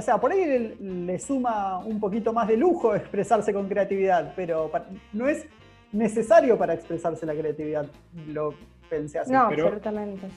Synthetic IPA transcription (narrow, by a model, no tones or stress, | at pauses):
oseapo̞ɾajlesumaumpo̞kit̪o̞mazðeluxo̞ekspɾesaɾse̞ko̞ŋkɾeat̪iβiðaðpeɾo̞paɾno̞e̞s | ne̞sesaɾjo̞paɾaekspɾesaɾse̞lakɾeat̪iβiðað | lo̞ | penseasnopeɾolut̪amẽnt̪e